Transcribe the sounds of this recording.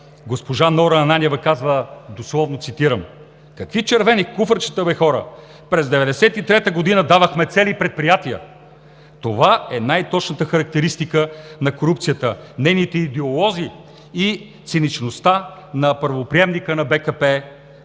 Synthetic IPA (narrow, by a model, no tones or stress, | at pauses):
ɡospoʒanɔɾɐːnanʲɛvəkazvəd̪oslˠɔvnot̪sit̪iɾəm | kɐkvit͡ʃɛɾvɛnikufəɾt͡ʃi̥t̪əbɛxɔɾə̰ | pɾɛzd̪ɛvɛd̪ɛsɛt̪it̪ɾɛt̪əɡod̪inəd̪avəxmɛt̪sɛlipɾɛt̪̚pɾijat̪iə̰ | t̪ovaɛnajt̪ɔt͡ʃnət̪əxɐɾɐk̚t̪ɛɾist̪ikənɐkoɾup̚t̪sijət̪ənɛjnit̪ɛid̪ɛolˠɔzi | i | t̪sɛnit͡ʃnost̪anɐpəɾvopɾiɛmnikənɐbɛkɐpɛ